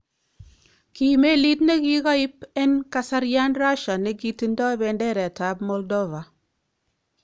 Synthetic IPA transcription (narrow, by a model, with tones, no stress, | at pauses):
ki˨me˦li˦tne˦ɡi˦ɡa˦ɪ˦pɛ˦nka˨sa˦ɾja˦nɾa˦ʃa˨ne˨ɡi˨ti˦ndɔ˦bɛ˨ndɛ˦ɾɛ˨ta˨˦bmɔ˦ldɔ˦va˨